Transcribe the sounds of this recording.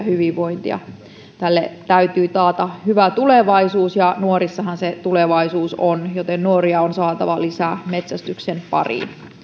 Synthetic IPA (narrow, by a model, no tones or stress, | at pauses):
hyʋiʋʋoint̪ḭɑ̰ | t̪ælːḛt̪æyt̪yːt̪ɑːt̪ɑhyʋæt̪uleʋɑisuːsjɑnuorisːɑhɑnset̪uleʋɑisuːsonjot̪ennuoɾiɑonsɑːt̪ɑ̰ʋɑlisæmet̪sæst̪yksenpɑ̰rḭn